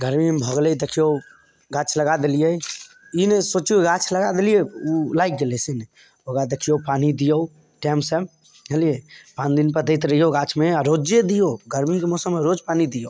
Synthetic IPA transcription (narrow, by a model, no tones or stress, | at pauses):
ɡəɾmimbʱəɡlɛd̪ekʰijo | ɡat͡ʃʰləɡad̪elije | inesot͡ʃuɡat͡ʃʰləɡad̪elijeulajkɡelɛsin | oɡad̪ekʰijopanid̪ijəu | ʈɛmsəb | ɦelijepãnd̪inpəɾd̪əjt̪ɾəɦijoɡat͡ʃʰmeaɾod͡ʒjed̪ijoɡəɾmikemɔsəmːeɾod͡ʒpanid̪ijo